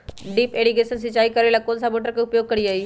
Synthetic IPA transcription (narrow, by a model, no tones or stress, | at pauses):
ɖiːpeɽiɡesəns̬it͡ɕaiːkəɾelakonsamoʈɾəkaupjoɡ̚kəɽiːaiː